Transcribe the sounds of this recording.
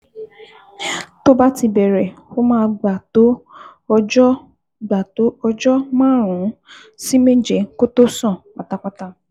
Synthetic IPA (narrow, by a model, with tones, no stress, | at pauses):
to˦ba˦ti˧bɛ˨ɾɛ˨fo˦mãː˦˧ɡ͡ba˨to˦ɔ˧d͡ʒɔ˦ | ɡ͡ba˨to˨˦ɔ˧d͡ʒɔ˦mãː˦˨ɾ̃ũ˨˦ | si˦me˦d͡ʒɛ˨˦ko˦to˦sɔ̃˦˨k͡pa˨ta˨k͡pa˦ta˧